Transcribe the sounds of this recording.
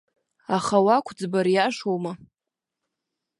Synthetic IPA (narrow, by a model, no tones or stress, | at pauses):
aχawakʷʰd͡zbaɾjaʂowma